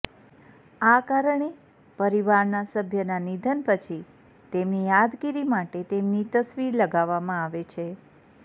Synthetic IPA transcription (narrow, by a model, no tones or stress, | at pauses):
akaɾəɳe | pəɾiʋaɾnasəbʱjənanid̪ʱənpət͡ʃʰi | t̪emnijad̪kiɾimaʈet̪emnit̪əsʋiɾləɡaʋːamãaʋet͡ʃʰe